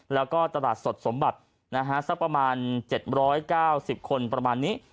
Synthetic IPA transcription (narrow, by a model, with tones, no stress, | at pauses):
lɛː˦˥wkɔː˥˩t̪a˧laː˨˩t̪̚so˨˩t̪̚so˩˦mba˨˩t̪̚ | na˦˥kʰa˦˥sa˦˥k̚pɾa˧maː˧nt͡ɕe˨˩t̪̚ɾɔː˦˥jkaː˥˩wsi˨˩p̚kʰo˧npɾa˧maː˧nːiː˦˥ʔ